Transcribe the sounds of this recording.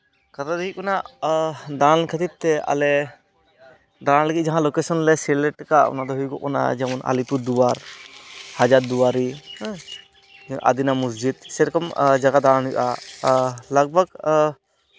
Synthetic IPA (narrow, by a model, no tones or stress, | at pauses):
kat̪ad̪ɛkit̪̚kɔnaʔd̪ankʰət̪ib̪̚t̪ɛa̰lɛ | d̪anləɡit̪̚d͡ʒaɦãlokesɔnlɛsɛlɛʈkaʔɔ̰nad̪ɔɦujɡɔ̰ʔkɔna̰d͡ʒɛmɔna̰lip̪uɾd̪uwaɾ | had͡ʒaɾd̪uwaɾi | ʔa̰d̪inamusd͡ʒid̪̚sɛɾɔkɔmd͡ʒaɡad̪anɦujʔa | laɡ̚bʱaɡ